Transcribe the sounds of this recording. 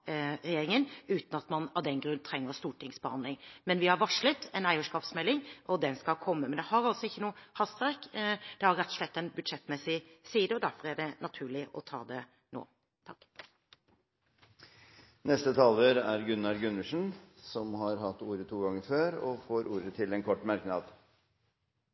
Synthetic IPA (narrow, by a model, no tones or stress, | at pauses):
ɾɛjeːɾɪŋənʉːt̪n̩ɑt̪mɑnɑʋd̪ɛnɡɾʉnːt̪ʰɾɛŋːəɾst̪uːʈɪŋsbəhɑnd̪lɪŋmɛnʋɪhɑɾʋɑʂlət̪ɛnæɪəʂkɑːpsmɛlːɪŋʔɔd̪ɛnskɑlkʰɔmːəmɛnd̪ɛhɑɾɑlsɔɪçːənuːəhɑst̪ʋæɾkd̪̥ɛhɑɾɛt̪ʰːɔ̥slɛt̪ːɛnbʉd̪ʂɛt̪ːmɛsɪsiːd̪əɔd̪æɾfɔɾæɖɛnɑt̪ʰʉːɭɪʔɔ̰t̪ʰɑ̰ːd̪ɛ | no̰ː | t̪ʰɑk | nɛst̪ət̪ʰɑːlʋəɾæɾɡʉnːɑɾɡʉnəʂn̩sɔmhɑɾhɑt̪ːuːɾət̪ʰuːɡɑŋːəɾføːɾɔfoːɾuːɾət̪ʰɪlɛnkʰɔʈːmɑɾknɑːd̪